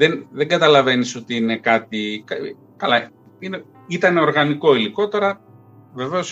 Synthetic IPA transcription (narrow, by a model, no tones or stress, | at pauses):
ðenðeŋɡɐt̪ɐlɐve̞niso̞t̪iine̞kɐt̪ikɐ | kɐlɐ | ine | it̪ɐne̞o̞ɾɣɐniko̞iliko̞t̪e̞ɾɐ | ve̞ve̞o̞s